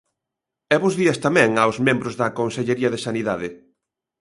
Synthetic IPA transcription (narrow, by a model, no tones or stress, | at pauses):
ɛβʊzðiɐst̪amɛ̃ŋawzmẽmbɾʊzðɐkonseʎeɾiɐðesaniðaðɪ